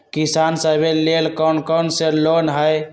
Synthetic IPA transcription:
kisansəbelelkɔnkɔnselonɦəj

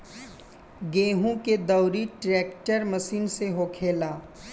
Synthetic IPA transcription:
ɡẽːɦũked̪ɐʊɾiʈɾɛːkʈəɾmɐsiːnseɦokʰeːlaː

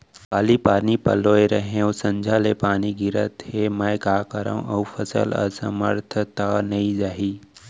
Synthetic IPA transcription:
kaːlipaːnipə̰loːeɾəɦẽõsə̃ɲd͡ʒʱaːlepaːniɡɪɾət̪heməjkaːkəɾã̰ʔəufəsə̰lə̰sə̰mə̰ɾt̪ʰət̪anəĩd͡ʒaːɦiː

